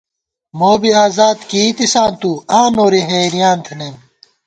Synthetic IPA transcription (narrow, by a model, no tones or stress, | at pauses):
moːbiaːzaːd̪kiːt̪isãːnt̪uãːnoːɾiɦeːɾijãːnt̪ʰenem